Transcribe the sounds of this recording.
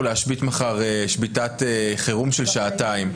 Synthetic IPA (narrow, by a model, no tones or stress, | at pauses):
leaʃbitmaχaʁeʃbitateχeʁumʃelʃaːtaim